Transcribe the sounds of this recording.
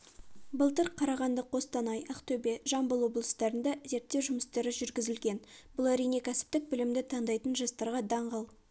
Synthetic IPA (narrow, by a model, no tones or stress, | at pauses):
bəlˠt̪əɾqʰɑɾɑʁɑnd̪əqʰo̞st̪ɑnɑjɑqt̪ɵbe̞ʒɑmbəlˠwo̞blˠəst̪ɑɾənd̪ɑze̞ɾt̪ːe̞wʒʊməst̪ɑɾɪʒʏɾɡʲɪzɪlɡʲe̞nbʊlˠæɾijne̞kʲʰæsɪ̥p̚t̪ɪk̚bɪlɪmd̪ɪt̪ʰɑɴd̪ɑjt̪ənʒɑst̪ɑɾʁɑd̪ɑɴʁəlˠ